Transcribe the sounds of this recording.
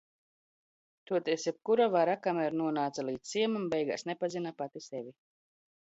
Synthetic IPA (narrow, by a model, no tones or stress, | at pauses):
t̪uɔt̪esjɛp̚kuɾavaɾakamɛɾnuɔnaːt̪salˠiːd̪sʲsiɛmumbɛjɡa̰ːsnepazinapat̪isevʲi